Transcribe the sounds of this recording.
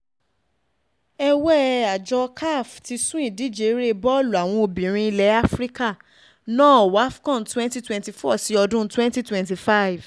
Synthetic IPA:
ɛ˧wɛ˦a˨d͡ʒɔ˧kʰa˦˨fti˧˦sũ˦ĩ˦˨di˦˨d͡ʒe˨˦ɾe˦bɔ˦˨lu˨a˨w̃ɔ̃˧o˨bĩ˨ɾ̃ĩ˧i˧lɛ˨˦a˦fɾi˦ka˦˨ | nãː˦˨wa˨˦fkɔ̃˦˨n˨twɛ̃˦nti˦twɛ̃nti˨fɔ˦˨si˨˦ɔ˧dũ˦twɛ̃˦nti˦twɛ̃˨nti˨fa˦jv

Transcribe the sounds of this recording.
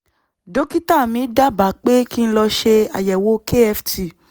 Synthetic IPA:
do˨˦ki˦ta˦˨mĩ˨˦da˦ba˨˦˨k͡pe˦ki˦˧n̩˦lɔ˧ʃe˧a̰˨jɛ˨wo˨˦ke˦ɛ˧fti˨

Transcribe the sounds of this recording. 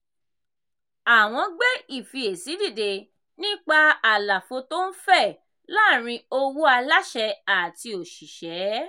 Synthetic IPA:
a˨w̃ɔ̃˧ɡ͡bɛ˦i˦˨fi˧e˨si˨˦di˦˨de˧ | nĩ˦k͡pa˧a˨la˨fo˧to˦n̩˦fɛ˦˨ | la˦˨ɾ̃ĩ˧o˧wu˦a˧la˦ʃɛ˧a˨ti˧o˨ʃi˨ʃɛ˨˦

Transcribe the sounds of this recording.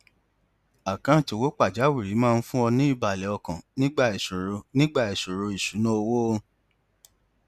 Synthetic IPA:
a˨kã˦˨to˨wo˦k͡pa˦˨d͡ʒa˨˦wi˦˨ɾi˨˦mãː˦˧n̩˦fũ˦ɔ˧nĩ˦i˦˨ba˨lɛ˨˦ɔ˧kã˨nĩ˦ɡ͡ba˦˨i˨su˨ɾo˧nĩ˦ɡ͡ba˦˨i˨su˨ɾo˧i˨ʃu˨˦nã˦o˧wo˦˧

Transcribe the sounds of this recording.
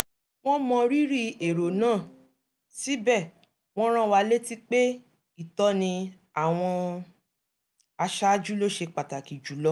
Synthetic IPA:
w̃ɔ̃˦mɔ̃˧ɾi˦ɾi˦e˨ɾo˨nãː˦˨ | si˨˦bɛ˦˨ | w̃ɔ̃˦ɾ̃ã˦wa˧le˦ti˦k͡pe˦ | i˦˨tɔ˦nĩ˧ | a˨w̃ɔ̃˧ | a˧ʃa˦d͡ʒu˦lo˦ʃe˧k͡pa˨ta˨ki˨d͡ʒu˨˦lɔ˦

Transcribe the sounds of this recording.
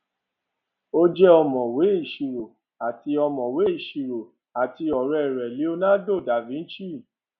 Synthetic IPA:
o˦d͡ʒɛ˦ɔ˧mɔ̃˨we˨˦i˦˨ʃi˨ɾo˨ | a˨ti˧ɔ˧mɔ̃˨we˨˦i˦˨ʃi˨ɾo˨ | a˨ti˧ɔ˨ɾɛ˧˨ɾɛ˨li˨˦o˧nã˦do˦˨da˨vĩ˨˦ʃi˦˨

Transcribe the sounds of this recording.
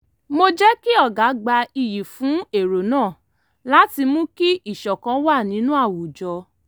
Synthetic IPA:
mo˧d͡ʒɛ˦ki˦ɔ˦˨ɡa˨˦ɡ͡ba˧i˧ji˨fũ˨˦e˦˨ɾo˨nãː˦˨ | la˨˦ti˧mũ˦ki˦i˦˨ʃɔ˨kã˨˦wa˦˨nĩ˨˦nũ˦a˦˨wu˨d͡ʒɔ˧

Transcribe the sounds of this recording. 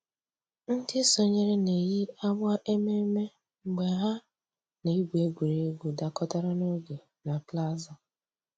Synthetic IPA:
n̩˦dɪ˦so˦ɲe˦ɾe˦ne˨ji˦a˦bʊ˦a˦ʔe˦me˦me˦ | ŋ͡m̩˨ɡ͡be˨ɦa˦ | ne˨i˦ɡʷe˦ɡʷe˨ɾe˨˦ɡʷu˨da˨kɔ˦ta˦ɾa˦no˦ɡe˨ | na˨pla˦zɔ˨

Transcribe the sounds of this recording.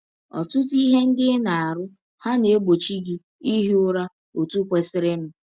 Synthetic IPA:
ɔ̰˨tʊ˦ti˦ɦe˦n̩˦dɪ˦na˨a˨ɾʊ˦ | ha˦ne˨e˦ɡ͡bo˨t͡ʃi˦ɡi˦ | i˦ɦi˦ʊ˦ɾa˦ | o˨tu˦kʷe˨sɪ˦ɾɪ˦m̩˨

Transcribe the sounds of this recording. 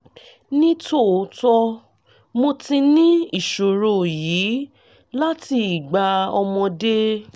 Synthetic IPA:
nĩ˦to˦˨˦tɔ˧ | mo˧ti˧nĩ˦i˦˨ʃo˨ɾo˨jiː˨˦ | la˦ti˧i˨ɡ͡ba˧ɔ˧mɔ̃˧de˦

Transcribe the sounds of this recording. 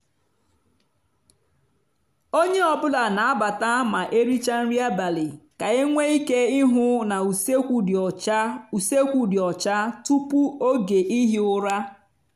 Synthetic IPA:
o˦ɲe˦ɔ˨bʊ˦la˨na˨a˦ba˨ta˦ma˨ʔe˦ɾi˦t͡ʃa˦n̩˦ɾi˦a˦ba˨li˨ka˨ɪ˦ŋʷe˦i˦ke˦ɪ˦ɦʊ˦na˨u˨se˦kʷu˦dɔ˨t͡ʃa˦u˨se˦kʷu˨dɪ˨ɔ˨t͡ʃa˦tu˦pu˦o˦ɡe˨ʔi˦ɦi˦ʊ˦ɾa˦

